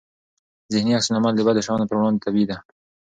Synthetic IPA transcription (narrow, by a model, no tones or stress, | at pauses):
zɪhniaksɪnamald̪əbad̪əʃɑnd̪əpəɾwɽɑnd̪et̪abid̪a